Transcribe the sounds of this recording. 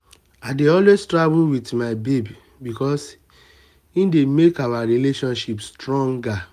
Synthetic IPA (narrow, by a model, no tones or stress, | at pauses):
aɪdeɔlwestɹabuwitmaɪbebi | bikɔs | ĩndemekawaɾileʃɔ̃nʃipstɹɔ̃ŋɡa